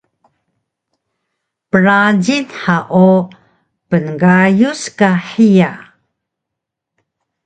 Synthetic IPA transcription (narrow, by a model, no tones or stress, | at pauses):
pəɾad͡ʑinħaʔu | pənɡajuskaħija